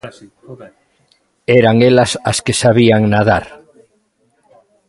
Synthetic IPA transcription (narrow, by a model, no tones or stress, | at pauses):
eɾaŋelasaskesaβiaŋnaðaɾ